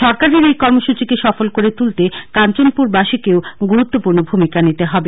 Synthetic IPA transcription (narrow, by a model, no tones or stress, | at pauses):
ʃɔɾkaɾeɾejkɔɾmoʃut͡ɕikeʃɔfolkoɾet̪ult̪ekant͡ɕonpuɾbaʃikeoɡuɾut̪ːopuɾnobʱumikanit̪eɦɔbe